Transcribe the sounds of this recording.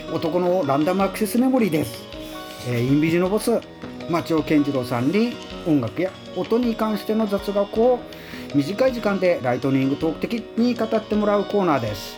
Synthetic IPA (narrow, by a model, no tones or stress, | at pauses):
o̞t̪o̞ko̞noɾãnd̪amɯ̟akɯ̟sesɨme̞mo̞ɾʲid̪e̞sɨ̥ | eːĩmbʲiʑino̞bo̞t͡sɨ | mat͡ɕio̞ːkẽ̞ɲd͡ʑiɾo̞ːsãɲɾʲiõ̞ŋɡakɯ̟ja | ot̪o̞ɲ̟ikãɰ̃ɕi̥t̪e̞no̞zat͡sɨɡakoː | mʲiʑikaiʑikãnd̪e̞ɾait̪o̞ɲʲĩŋɡɯ̟t̪o̞ːkɯ̥t̪e̞kʲiɲ̟ikat̪at̪ːe̞mo̞ɾaɯ̟ko̞ːnaːd̪e̞sɨ̥